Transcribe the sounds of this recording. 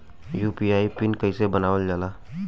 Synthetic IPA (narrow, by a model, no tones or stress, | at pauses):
juːpiaːipɪnkəɪsebənaːʋəld͡ʒaːlaː